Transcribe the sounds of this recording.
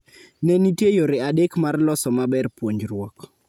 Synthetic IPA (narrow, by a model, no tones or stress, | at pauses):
nɛnitjejoɾɪadekmarlɔsɔmabɛrpwoɲd͡ʒrwɔk